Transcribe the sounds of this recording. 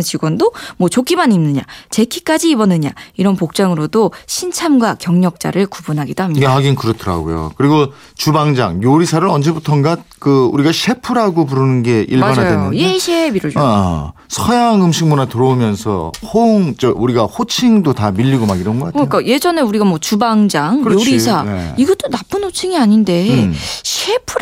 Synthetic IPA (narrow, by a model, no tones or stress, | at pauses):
t͡ɕiɡwʌndomwʌt͡ɕok͈imanimnɯɲa̰t͡ɕe̞kʰik͈ad͡ʑiːbʌnɯɲa̰iɾʌnpok̚t͡ɕ͈aŋɯɾodoɕʰint͡ɕʰamɡwakjʌŋɲʌk̚t͡ɕ͈a̰ɾɯɭkubunɦaɡid̥oɦamɲhaɡinkɯɾʌtʰɯɾa̰ɡo̰jo̰kɯɾiɡo | t͡ɕubaŋd͡ʑa̰ŋjoɾisʰaɾɯɾʌnd͡ʑe̞butʰʌnɡat̚kɯuɾiɡaɕʰe̞pʰuɾɦaɡopuɾɯnɯnɡe̞ʔḭɭbanɦadweɯeɕʰebiɾod͡ʑ | sʰʌjaŋɯmɕʰiŋmunatɯɾoumjʌnsʰʌ̰hoŋt͡ɕeʔuɾiɡahot͡ɕʰiŋdotamiʎːiɡomaɡiɾʌnɡʌk͈atʰɲijok͈aje̞d͡ʑʌne̞uɾiɡamwʌt͡ɕubaŋd͡ʑaŋkoɾisʰaḛiɡʌt͈onap͈ɯnhot͡ɕʰiŋiaɲinde̞ɕʰepʰu